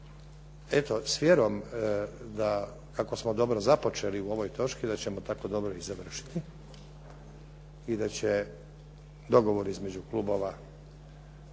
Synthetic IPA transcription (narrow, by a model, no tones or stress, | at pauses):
e̞t̪o̞sʋjeɾo̞m | d̪a | kako̞smo̞d̪o̞bɾo̞zapo̞t͡ʃe̞liuo̞ʋo̞jt̪o̞t͡ʃkid̪at͡ɕe̞mo̞t̪ako̞d̪o̞bɾo̞izaʋr̩ʃi̥t̪i | id̪at͡ɕe | d̪o̞ɡo̞ʋo̞ɾizme̞d͡ʑuklˠuːbo̞ʋa